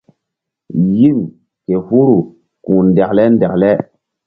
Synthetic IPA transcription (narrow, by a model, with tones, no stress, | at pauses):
ji˦n | ke˨hu˦ɾu˨ | kũ˨n˨de˨klɛ˦n˦dɛ˨klɛ˦